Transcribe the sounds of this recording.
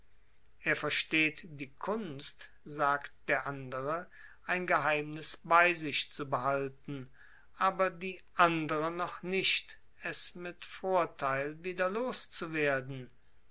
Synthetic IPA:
ʔeːɐfɛɐʃteːtd̥iːkʰʊnst | zaːkt̚d̥eːɐʔandəʁə | ʔaɪnɡəɦaɪmnɪsbaɪzɪʃt͡subəɦaltn̩ | ʔaːbɐdiːʔandəʁənɔχnɪʃt | ɛsmɪtfoːɐtʰaɪlviːdɐloːst͡suveːɐdn̩

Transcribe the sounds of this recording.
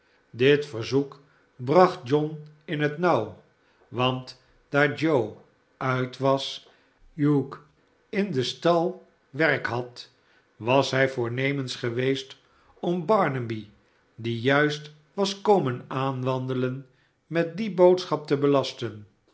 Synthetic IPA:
dɪtfəɹzuk | brɑχt̚d͡ʒɔnɪnɦətnʌw | ʋɑnt | d̥aːɹd͡ʒow | œɥtʋɑs | juk | ɪndəstɑlˠ | ʋɛrkɦɑt | ʋɑsɦɛjvʊːɹnejmənsχəʋejst | ɔmbɑɹnəbi | dijœɥst | ʋɑskowmənaːnʋɑndələn | mɛt̚dibowtsχɑp̚təbəlɑstən

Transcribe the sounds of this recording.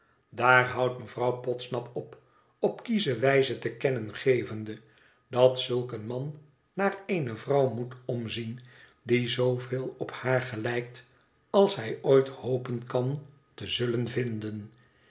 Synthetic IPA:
daːɹɦɑwtməvrɑwpɔtsnɑpɔp | ɔpkizəʋɛjzətəkɛnənχejvəndə | dɑtsɵlˠkənmɑnː | aːrejnəvrɑwmutɔmzin | dizowvɪːlˠɔphaːɹχəlɛjk̚t | ɑlˠsɦɛjojthowpənkɑn | təzɵlənvɪndən

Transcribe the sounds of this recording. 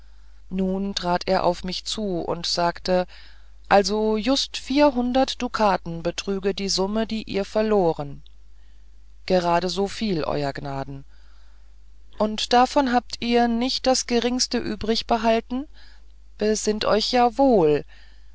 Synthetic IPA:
nuːntʁ̥aːtʰḛːɐʔa̰ʊfmɪçt͡suːʔʊ̰ntz̥aːktə | ʔalzojʊstfiːɐɦʊndɐtd̥ukʰaːtn̩bətʁ̥yːɡədiːzʊmədiːʔḭːɐfɛɐloːʁən | ɡ̥əʁaːdəzoːfiːlʔɔ̰ʏɐɡnaːdn̩ | ʔʊntd̥afɔnɦaːp̚tʰʔiːɐnɪçt̚d̥asɡ̥əʁɪŋstəʔyːbʁɪçb̥əɦaltn̩ | b̥əzɪntʔɔ̰ʏçjaːvoːl

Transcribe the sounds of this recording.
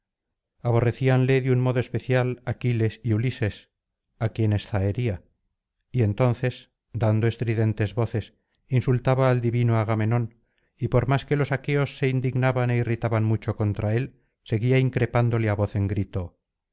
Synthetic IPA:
aβ̞o̞re̞θianle̞ðjunmo̞ðoespe̞θjalakile̞siulise̞s | akje̞ne̞sθaeɾia | ie̞nt̪o̞nθe̞s | d̪and̪oe̞st̪ɾiðe̞nt̪e̞zβo̞θe̞s | insult̪aβaːld̪iβinoaɣ̞ame̞no̞n | ipo̞ɾmaske̞lo̞sake̞o̞sːe̞ind̪iɣnaβane̞irit̪aβanmut͡ʃo̞ko̞nt̪ɾae̞l | se̞ɣiaiŋkɾe̞pand̪o̞leaβo̞θe̞ŋɡɾit̪o̞

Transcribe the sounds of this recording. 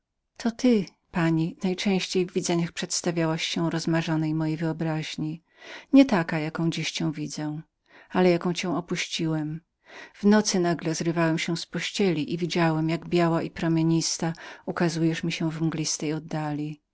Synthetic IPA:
t̪ʰɔt̪ɘ | paɲinajt͡ʂɛ̃w̃ɕt͡ɕejvːʲid̪zɛɲaxpʂɛt̪st̪avʲjawaɕːɛ̃w̃ɾɔzmaʐɔnɛjmɔjejvɘɔbɾaʑɲi | ɲɛt̪akajakɔ̃w̃d͡ʑiɕt͡ɕɛ̃w̃vʲid̪zɛ̃ | alɛjakɔ̃w̃t͡ɕɛ̃w̃ɔpuɕt͡ɕiwɛm | v̥nɔt̪sɘnaɡlɛzɾɘvawɛmɕɛw̃spɔɕt͡ɕɛlʲiʔivʲid͡ʑawɛmjaɡbʲjawaʔipɾɔmʲeɲist̪aukazujɛʂmʲiɕɛw̃vmɡlʲist̪ɛjɔd̪ːalʲi

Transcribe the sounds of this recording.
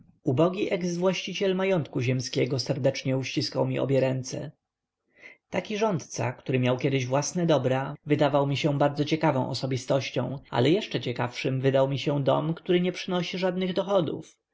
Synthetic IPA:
ubɔɡʲiʔɛɡzvwaɕt͡ɕit͡ɕɛlmajɔnt̪kuʑɛmskʲɛɡɔsɛɾd̪ɛt͡ʂɲɛuɕt͡ɕiskawmʲiʔɔ̰bʲjɛɾɛnt̪sɛ̰ | t̪akʲiʐɔnt̪t̪sa̰kt̪uɾɘmʲjawkʲjɛd̪ɘʑvwasnɛd̪ɔbɾavɘd̪avawmʲiɕɛbaɾd̪zɔt͡ɕɛkavɔ̃w̃ʔɔ̰sɔbʲist̪ɔɕt͡ɕɔ̰̃w̃a̰lɛjɛʂt͡ʂɛt͡ɕɛkafʂɘmvɘd̪awmʲiɕɛ̃d̪ɔ̰mkt̪uɾɘɲɛpʂɘnɔɕiʐad̪nɘɣd̪ɔxɔd̪ṵf

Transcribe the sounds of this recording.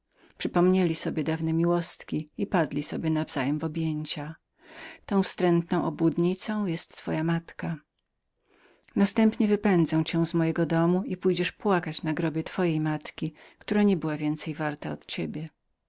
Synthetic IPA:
pʂɘpɔmɲelʲisɔbʲjɛd̪avnɛmʲiwɔst̪kʲiipad̪lʲisɔbʲjɛnavz̥ajɛmvɔbʲjeɲt͡ɕa | t̪ɔ̃w̃fst̪ɾɛnt̪nɔ̃w̃ʔɔbud̪ɲit̪sɔ̃w̃jɛst̪ːfɔjamat̪ka | nast̪ɛmpɲɛvɘpɛnd̪zɛw̃t͡ɕɛw̃zmɔjɛɡɔd̪ɔmuipujd͡ʑɛʂpwakat͡ɕnaɡɾɔbʲjɛt̪fɔjejmat̪kʲikt̪uɾaɲɛbɘwavʲjɛnt̪sɛjvaɾt̪aɔt̪t͡ɕebʲjɛ

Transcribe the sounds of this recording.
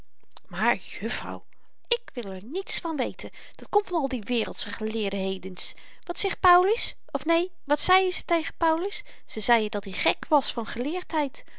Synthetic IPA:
maːɹjɵfrɑ̰w | ɪkʋɪlˠɛɹnitsfɑnʋejtʰən | d̥ɑtkɔmtfɑnɑlˠdiʋɪːrəlˠtsəχəlɪːɹdəɦejdəns | ʋɑtsɛχt̚pawləs | ɔfnej | ʋɑtsɛjəzətejχənpawləsː | əzɛjədɑtiχɛkʋɑsfɑnχəlɪːɹtɦɛjt

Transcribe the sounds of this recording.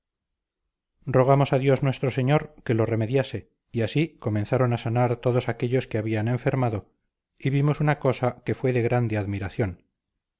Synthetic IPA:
ro̞ɣ̞amo̞saðjo̞znwe̞st̪ɾo̞se̞ɲo̞ɾke̞lo̞re̞me̞ðjase̞ | iasiko̞mẽ̞nθaɾonasanaɾt̪o̞ðosakeʎo̞skeaβiane̞ɱfe̞ɾmaðo̞ | iβimo̞sunako̞sake̞fwe̞ðe̞ɣɾand̪eaðmiɾaθjo̞n

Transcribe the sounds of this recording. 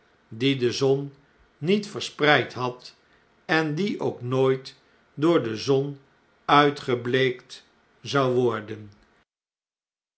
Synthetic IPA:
didəzɔnː | itfəɹsprɛjtɦɑt | ɛndiʔowknoːjt | dʊːɹdəzɔn | œɥtχəblejkt | zɑwʋɔɹdən

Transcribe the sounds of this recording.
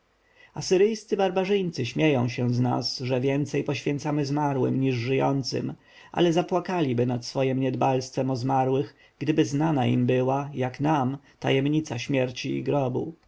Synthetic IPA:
asɘɾɘjst̪sɘbaɾbaʐɘjt̪sɘɕmʲjejɔ̃w̃ɕɛzna̰sʐɛvʲjɛnt̪sɛjpɔɕfʲjɛnt̪samɘzmaɾwɘ̰mɲiʐʐɘjɔ̰nt̪sɘ̰m | ʔa̰lɛzapwakalʲibɘnat̪sfɔjimɲɛd̪balst̪fɛmɔzmaɾwɘɣ | ɡd̪ɘbɘznanaḭmbɘwajaknamt̪a̰jɛmɲit̪saɕmʲjɛɾt͡ɕḭːɡɾɔbṵ

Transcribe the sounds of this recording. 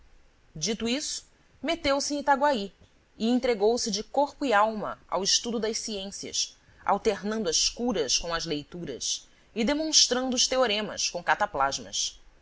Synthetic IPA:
d͡ʒit̪uisʊ̥ | met̪ewsɪ̃t̪aɡwai | ɪẽnt̪ɾeɡowsɪd͡ʒɪkoɾpʊiawmɐ̰a̰wɪʃt̪ud̪ʊd̪ɐʃsiẽsiɐ̰s | a̰wt̪eɾnɐ̃nd̪ʊɐʃkuɾɐskõɐzlejt̪uɾɐ̰s | ɪd̪emõʃt̪ɾɐ̃nd̪ʊːʃt̪eoɾẽmɐ̰skõkat̪aplaʒmɐ̰s

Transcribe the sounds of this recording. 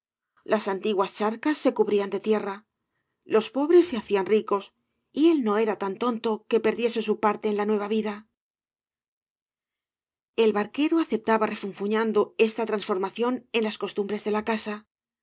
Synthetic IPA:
lʔasant̪iɣwast͡ʃaɾkasːe̞kuβɾiand̪e̞t̪je̞ra | lo̞spo̞βɾe̞sːeaθianriko̞s | ie̞lno̞e̞ɾat̪ant̪o̞nt̪o̞ke̞pe̞ɾðje̞se̞supaɾt̪e̞ːnlanwe̞β̞aβ̞iða | e̞lβaɾke̞ɾoaθe̞p̚t̪aβare̞fuɱfuɲand̪o̞e̞st̪at̪ɾansfo̞ɾmaθjo̞ne̞nlasko̞st̪umbɾe̞zðe̞lakasa

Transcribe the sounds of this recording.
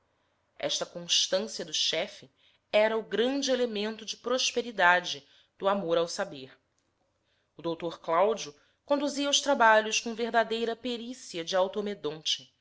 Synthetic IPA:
ɛ̰ʃt̪ɐkõʃt̪ɐ̃siɐd̪ʊʃɛfɪ | ɛɾɐʊɡɾɐ̃nd͡ʒɪelemẽnt̪ʊd͡ʒɪpɾoʃpeɾid̪ad͡ʒɪ | d̪̥ʊamoɾawsabeɾ | ʊd̪owt̪oɾklawd͡ʒiu | kõnd̪uziɐʊʃt̪ɾabaʎʊskõveɦd̪ad̪ejɾɐpeɾisiɐd͡ʒɪawt̪omed̪õnt͡ʃɪ̥

